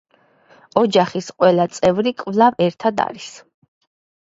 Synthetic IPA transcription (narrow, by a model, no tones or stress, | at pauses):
ɔd͡ʒaχisqʼwɛlat̪sʼɛvɾikʼvlˠavɛɾt̪ʰad̪a̰ɾis